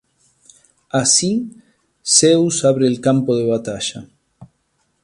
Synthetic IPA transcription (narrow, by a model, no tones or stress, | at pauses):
asi | sewsaβɾeːlkampoðeβat̪aʃa